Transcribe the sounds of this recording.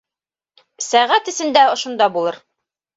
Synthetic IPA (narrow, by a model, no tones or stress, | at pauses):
sæʁæt̪ɘ̆sɘ̆nd̪æŏʃŏnd̪ɑbulˠɤɾ